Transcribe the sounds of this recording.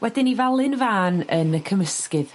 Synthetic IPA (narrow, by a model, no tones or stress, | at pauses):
wɛdɪnivalˠɨnvaːnənəkʰəməskɨð